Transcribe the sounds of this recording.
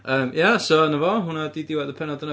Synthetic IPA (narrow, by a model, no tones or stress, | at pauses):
əːmjasoanəvɔɦʊnadidɪwɛðəpʰɛnɔdənə